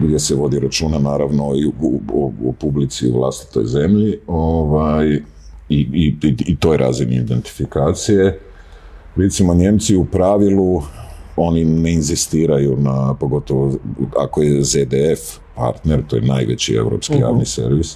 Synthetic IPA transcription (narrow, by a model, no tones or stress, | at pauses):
ɡd̪je̞seʋo̞d̪iɾat͡ʃuːnanaːɾaʋno̞iuopublit̪siṵʋlˠa̰st̪i̥t̪o̰jze̞mʎio̞ʋaj | iiit̪o̞ːjeɾʔa̰ːzinḭḭd̪e̞nt̪i̥fikaːt̪sije̞ | ɾet̪simo̞ɲe̞mt̪siupɾaʋilu | o̞nine̞inzist̪iːɾajunapo̞ɡo̞t̪o̞ʋoa̰ko̞je̞zed̪eef | pa̰ɾt̪ne̞ɾt̪oːjḛna̰ːjʋe̞̰t͡ɕḭe̞̰wɾo̰pskkiɾa̰ːvnise̞̰ɾʋis